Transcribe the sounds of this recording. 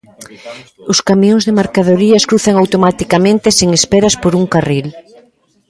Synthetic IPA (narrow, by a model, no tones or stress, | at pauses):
ʊskamjõŋzðemaɾkaðoɾiɐskɾuθɐŋawt̪omat̪ikamẽnt̪eseŋespɛɾɐspoɾuŋkaril